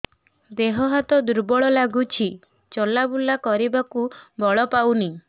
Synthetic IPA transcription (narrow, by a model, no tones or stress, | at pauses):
d̪eɦɔɦat̪ɔd̪uɾbɔɭɔlaɡut͡ʃʰi | t͡ʃɔlabulakɔɾibakubʱɔɭɔpawni